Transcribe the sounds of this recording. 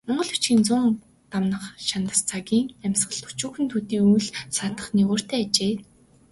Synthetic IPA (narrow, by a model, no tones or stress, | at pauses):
mɔɴɢɞ̆ɮu̥t͡ɕɡiːnt͡sʊːŋ | t̪amnə̆χʃant̪ə̆st͡sʰaɣʲiːŋæmʲsɢə̆ɮt̪ʰu̥t͡ɕuːxɘ̆nt̪ʰuːt̪iːujɮsat̪ə̥̆χniːʁoːr̥t̪æːat͡ɕeː